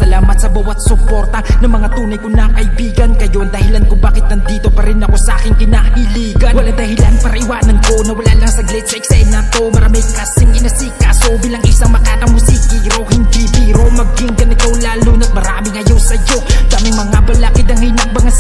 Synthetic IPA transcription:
sɐlaːmɐt̪sɐbawɐt̪̚sʊpo̞ɾt̪ɐnɐŋmɐŋat̪uːnɐjkonakɐibiːɡɐnkɐjond̪ɐhɪlankobaːkɪt̪̚nɐnd̪iːt̪o̞pɐɾɪnɐkosɐʔakɪŋkɪnaʔɪliːɡɐnwɐlad̪ɐhɪla̰npɐɾɐʔiwaːnɐnkonɐwɐla̰lɐŋsɐɡlɛt͡ʃɐɪksɐɛnat̪omɐɾamɐjkasɪŋɪnɐsikasobiːlɐŋɪsaŋmɐkaːt̪ɐŋmʊsik̪iɾohɪnd̪it̪iɾomɐɡ̚ɪŋkɐnɪt̪olaːlonɐt̪̚mɐɾaːmɪŋʔɐjawsɐjod̪amɐjmɐŋabɐlakɪd̪ɐŋhinɐk̚bɐŋa

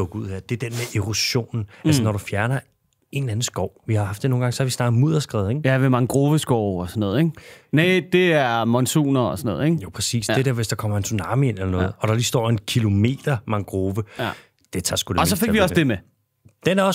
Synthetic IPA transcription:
ɔ̽ɡ̥uð̰ˠheɐ̰d̥e̝ɐd̥enmeʔeʁoɕo̝̰ːnn̩ælsənɒɾufjæɐnɐ | e̝næn̩sɡ̥ɒʊ̰ʋihɑ̈hɑ̈fd̥eno̝ːn̩ɡ̥ɑ̈ŋsɒ̽hɑʋisnɑ̈ːɡ̥ð̩ˠmuð̰ˠɐsɡ̥ʁɛ̰ːðˠeŋæʋemɑ̈ŋɡ̥ʁoːʋəsɡ̥ɒʊ̰ɒsɒnɔ̽ːð̩ˠeŋned̥e̝æɐmɒnsṵːnɐɒsɒnɔ̽ːð̩̰ˠeŋjopʰʁɛsḭːsdedɾeɐ̰ʋesd̥ɑ̈kʰɒ̽m̰ɐe̝nsunɑ̈ːmie̝n̰elɐnɔ̽ːð̞̩ˠɒ̽ɾ̥ɑ̈lisd̥ɒ̰ːe̝nkʰilo̝me̝̰ːd̥ɐmɑ̈ŋɡ̥ʁoːʋə | d̥e̝t͡sʰɑ̈sɡ̥ulɒ̽sɒfe̝ɡ̥ʋiɒsd̥e̝me | d̥enæɐɒs

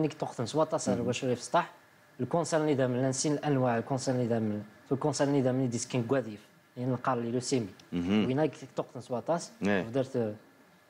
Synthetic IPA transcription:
nikt̪oqt̪ənswɑt̪ˤɑsʕɾælwæʃuɾifst̪ˤɑħ | lkõnsæɾnid̪æməlːænsinəlʔænwaʕlkõnsæɾnid̪æmənflkõnsæɾnid̪æmnid̪iskənɡwæd̪if | inəlqɑɾˤlilusimiwinækt̪oq̚t̪ənswɑt̪ˤɑsfd̪iɾt̪

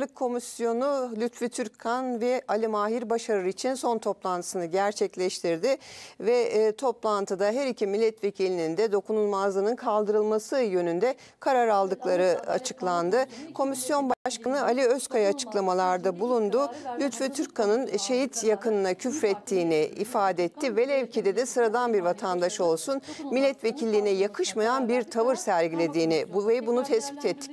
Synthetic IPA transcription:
ɯkʰːo̞misjo̞nulʲyt̪fit̪ʰyɾckʰanvɛalʲimaːɦiɾbaʃaɾɯit͡ʃʰinso̞nt̪ʰo̞plˠant̪ʰɯ̥sɯnɯɟæɾt͡ʃʰɛclʲɛʃt̪ʰiɾd̪ɪvɛt̪ʰo̞plˠant̪ʰɯd̪aɦɛɾicʰimilʲːɛt̪ve̞cʰilʲinind̪ɛd̪o̞kunulˠmazlˠɯnɯnkʰalˠd̪ɯɾɯlˠmasɯjø̞nynd̪ɛ | kʰaɾaɾalˠd̪ɯklˠaɾɯa̰t͡ʃʰɯklˠand̪ɯkʰo̞misjo̞nbaaʃkanɯalʲiøskʰajaːt͡ʃʰɯ̥klˠamalˠaɾd̪abulˠund̪ʊlʲyt̪vɛt̪ʰyɾkʰanɯnʃe̞ɦit̪jakʰɯnɯnacʰyfɾɛt̪ʰːiːnɪḭfaːd̪ɛɛt̪ʰːivɛlʲɛvcʰid̪ɛd̪ɛsɯɾad̪anbiɾvat̪ʰand̪aʃo̞lˠsunmilʲːɛt̪vecʰilʲːiːnɛjakʰɯʃmajanbiɾt̪ʰavɯɾsæɾɟilʲe̞d̪iːnɪbuvebunut̪ʰɛsbit̪ʰɛt̪ʰːi̥c

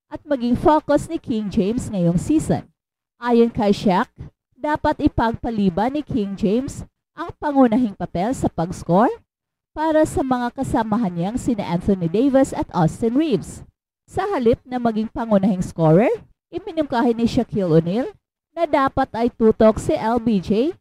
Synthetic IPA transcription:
ʔɐt̪̚mɐɡiŋfokosnɪkʰiŋd͡ʒejmsŋɐjoŋsiːso̰n | ʔaːjonkɐjʃak̚ | d̪aːpɐt̪ʔɪpɐɡ̚pɐliːbɐnɪkʰiŋd͡ʒejms | ʔɐŋpɐŋʊnɐɦɪŋpɐpɛlsɐpɐɡskoɹ | paːɾɐsɐmɐŋakɐsɐmɐɦɐnːjɐŋsinɐʔant̪onid̪ejvɛsɐt̪ʔast̪ɛnɹivs | sɐhɐlɪp̚nɐmɐɡiŋpɐŋʊnɐhɪŋskoɹɛɹ | ʔɪmɪnʊmkaːhɪnɪʃɐkʰilʊnil | nɐd̪aːpɐt̪ɐjt̪uːt̪oksɐʔɛlbid͡ʒij

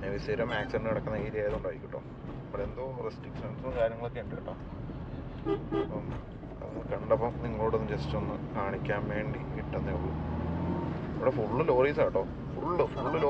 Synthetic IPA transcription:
ɲɐʋiseɾɐmaːkseɳɖɨkɐɽɐkːunːɐeːɾijaːjɐðuɳɖaʋːjikʲːiʈːo̞ː | ɐmːɐɽɭend̪oresʈrikʂɐnsonːɨkaːɾjɐŋːɐɭokːeɳɖɐkːiʈːoː | ɐpːɐm | ɐ̰kɐɳɖɐpːɐmniŋːɐɭo̞ːɽenːumt͡ɕesːi̥t͡ɕːonːɨkaːɳikʲːaːnʋe̞ːɳɖikiʈːenːɐuɭːu | ɐʋiɽefuɭːɨlo̞ːriːsaːjiʈːo̞ː | fuɭːɨfuɭːɨloː

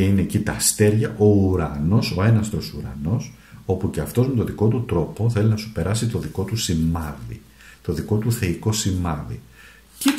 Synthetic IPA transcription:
inecit̪ɐst̪e̞ɾʝɐʔo̞uɾɐno̞so̞e̞nɐst̪o̞suɾɐ̰no̞s | o̞puce̞ɐft̪o̞zme̞t̪o̞ðiko̞t̪ut̪ɾo̞po̞θe̞linɐsu̥pe̞ɾɐsit̪o̞ðiko̞t̪usimɐðḭ | t̪o̞ðiko̞t̪uθe̞iko̞simɐðḭ | ce

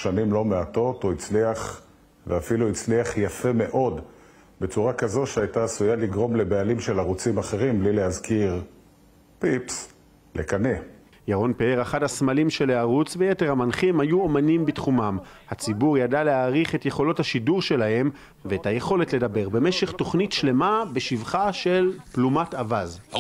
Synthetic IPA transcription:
ʃanimlo̞meato̞toit͡sliaχ | veafiluit͡sliaχjafe̞me̞ʔo̞d | be̞t͡suʁakazo̞ʃeajtaːsujaliɡʁo̞mlebealimʃe̞laʁut͡simaχe̞ʁimblileazkiʁ | pips | lʔekane | jaʁo̞npeeʁaχadhasmalimʃe̞leaʁut͡svejete̞ʁhamanχimhajuomanimbitχumamhat͡sibuʁjadaleaːʁiχe̞tje̞χo̞lo̞thaʃiduʁʃe̞lahe̞m | veethaje̞χo̞le̞tle̞dabe̞ʁbe̞me̞ʃe̞χto̞χnitʃle̞mabeʃivχaʃe̞lplumatavaz

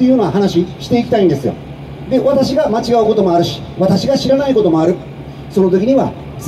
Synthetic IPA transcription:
ejɯ̟jononaɦanaɕiɕi̥t̪e̞ikʲi̥t̪aĩnd̪e̞sɨjo̞̰ | d̪e̞βat̪aɕiɡamat͡ɕiɡaɯ̟ko̞t̪o̞mo̞aɾɯ̟ɕi̥βat̪aɕiɡaɕiɾanaiko̞t̪o̞mo̞aɾɯ̟ | so̞no̞t̪o̞kʲiɲ̟iβa̰

